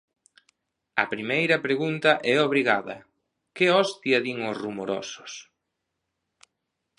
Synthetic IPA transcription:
ɐ̰pɾimejɾɐpɾeɣunt̪ɐʔɛoβɾiɣaðɐ̰ | kɪɔst̪iɐðiŋosrumoɾɔ̰sʊ̥s

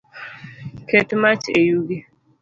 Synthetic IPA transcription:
kʰetmat͡ʃejuɡi

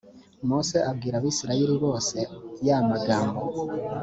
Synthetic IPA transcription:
mose̞ʔab̚ɡiːɾaβiːsiɾaeɾiβo̞ːse̞jamaɡaːmbo

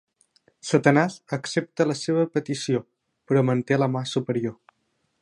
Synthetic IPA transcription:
sət̪ənazəksep̚t̪ələseβ̞əpət̪isio | pɾɔmənt̪eləmasupəɾio

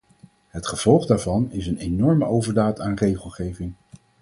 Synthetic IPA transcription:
ɦətχəv̥ɔlˠχdaːɹvɑnɪsənejnɔɹməowvəɹdaːtaːnrejχəlˠχejvɪŋ

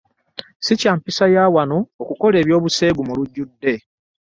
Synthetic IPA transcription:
sicaːmpisajaːwanoːkuko̞le̞ːβjo̞ːβuse̞ːɡumuluɟːudːe̞

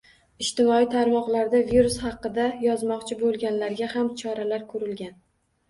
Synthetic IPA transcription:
ɪʃt̪ɪmɒit̪ʰaɾmɒqlˠaɾd̪aviɾushɑqːɨd̪ajɒzmɒqt͡ʃʰɪbolˠɡʲanlaɾɡʲahamt͡ʃʰɒɾalaɾkʰɵɾɪlɡʲan

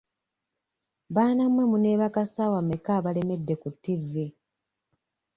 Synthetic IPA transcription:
βaːnamwe̞mune̞ːβakasaːwamekaːβale̞me̞dːe̞kutːivi

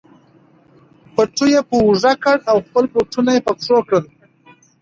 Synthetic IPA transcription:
pəʈ͡ʂujepəʐakəɽawxpəlpoʈunajepakʂokɽəl

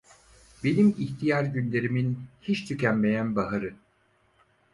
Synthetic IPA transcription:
benimiçt̪ʰijaɾɟynlʲe̞ɾiminhit͡ʃt̪ʰycʰænme̞jænbaɦaɾɯ

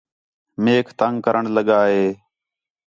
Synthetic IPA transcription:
meːkʰt̪əŋkəɾʔəɳləɠaːɦeː

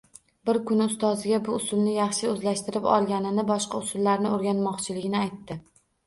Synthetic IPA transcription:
bɪɾkʰʊnʊst̪ɒzɪɡʲabʊʊsʊlˠnɪjɑχʃɪɵzlaʃt̪ɪɾɪpɒ̰lˠɡʲanɪnɪbɒʃqɑʊsʊlːaɾnɪoɾɡʲanmɒqt͡ʃʰɪlɪɡʲɪnɪajt̪ːɪ

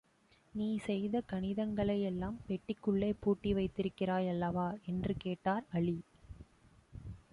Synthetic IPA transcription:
niːsɛjðɐkɐɳɪðɐŋɡɐɭɐjɛlːaːmpɛʈːɪkːɯɭːeːpːuːʈːiʋɐɪt̪ːɪɾɯkːɪraːjɐlːɐʋaːɛndrɯkeːʈːaːɾɐɭi

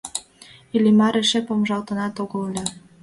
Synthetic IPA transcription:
ilʲimɑɾeʃepomʒɑlt̪ɤ̆nɑt̪oɣɤllʲɤ

